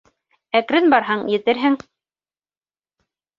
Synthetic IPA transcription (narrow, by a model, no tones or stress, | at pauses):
ækɾɘnbɑɾɦɑɴjɘ̆t̪ɘɾɦɘŋ